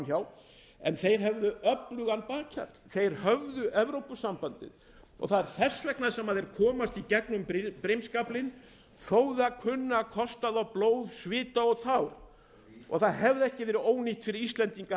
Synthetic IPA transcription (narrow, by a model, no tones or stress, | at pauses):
çaːw | ɛnθejɾ̥ɦɛvðʏʔœplʏɣanːpaːcʰa̰ɾt̪l̥θejɾ̥hœvðʏʔɛvɾowpʏsːampant̪ɪ̰ð | ɔ̰ɣθaðɛɾ̥θɛsːvɛknað̥sɛmaðɛɾkʰɔːmast̪icɛknʏmppɾejmskaplɪn | θoːwðʏaðkʰʏnːakʰɔst̪aðawploːwðsvɪːt̪aɔɣt̪ʰawɾ | ɔ̰ɣθaðhɛvðɪɛhcɪvɛːɾɪoːwniht̪fɪɾɪɾist̪lɛnt̪iŋka